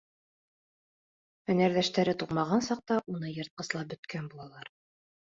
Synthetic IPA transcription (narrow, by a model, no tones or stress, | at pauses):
hɵ̆næɾðæʃt̪æɾɘt̪uqmɑʁɑnsɑq̚t̪ɑʔunɤjɤ̆ɾt̪̚qɤ̆slˠɑp̚bɵ̆t̪kænbulˠɑlˠɑɾ